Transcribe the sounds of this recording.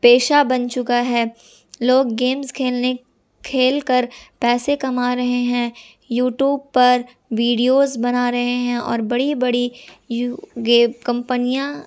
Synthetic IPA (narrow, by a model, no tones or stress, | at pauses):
peːʃabɐ̃nt͡ʃʊkaɦɛː | loːɡːeːmzkʰeːlne | kʰeːlkəɾpɛːsekɐmaːɾɐɦeɦɛ̃ː | juːʈjuːb̚pɐɾ | ʋiːɖijoːzbɐnaɾɐɦeɦɛ̃ʔɔ̰ːɾbɐɽibɐɽijɡeːkɐ̃mpənijã